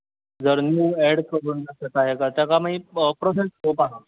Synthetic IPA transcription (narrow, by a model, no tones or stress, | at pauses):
d͡zəɾnjuːɛɽkəɾund͡zaset̪aɦekat̪jakamaipɾosesɦopaɦe